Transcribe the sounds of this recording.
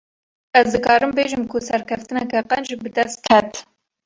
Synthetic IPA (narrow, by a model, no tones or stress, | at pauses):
ɛzd̪ɨkɑːɾɨmbeːʒɨmkʰʊsɛɾkʰɛft̪ɨnɛkɛqɛnd͡ʒibɨd̪ɛst̪̚kʰɛt̪